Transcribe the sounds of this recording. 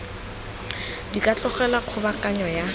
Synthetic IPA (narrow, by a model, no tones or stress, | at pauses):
dikʼat͡ɬʼʊχɛlaq͡χʰʊbakʼaɲɔja